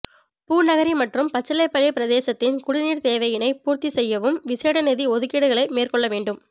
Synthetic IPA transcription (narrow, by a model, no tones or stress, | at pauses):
puːnɐɣɐɾimɐʈrɯmpɐt͡ʃːɐlɐɪpːɐɻɪpɪɾɐðeːsɐt̪ːɪnkʊɽɪniːɽt̪eːʋɐjɪnɐɪpuːɾt̪isɛjːɐʋɯmʋɪseːɽɐnɛðiɔðɯkɪɽɯɣɐɭɐɪmeːrkɔɭːɐʋeːɳɖɯm